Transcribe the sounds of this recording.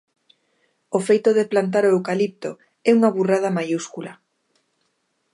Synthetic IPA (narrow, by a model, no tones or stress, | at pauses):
ofejt̪oðeplant̪̬aɾoewkalip̚t̪o̰ | ɛuŋaβurað̞amajuskula